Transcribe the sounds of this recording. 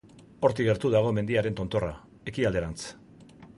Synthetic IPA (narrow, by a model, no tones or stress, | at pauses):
o̞ɾt̪iɣe̞ɾt̪uðaɣ̞o̞me̞nd̪iaɾe̞nt̪o̞nt̪o̞ra | e̞kiald̪e̞ɾant͡s